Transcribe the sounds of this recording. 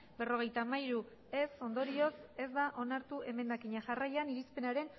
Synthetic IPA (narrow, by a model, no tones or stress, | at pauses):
be̞ro̞ɣ̞e̞jt̪amaiɾu | e̞so̞nd̪o̞ɾio̞se̞zd̪aʔo̞naɾt̪uʔe̞me̞nd̪akiɲaʝarajaniɾispe̞naɾe̞n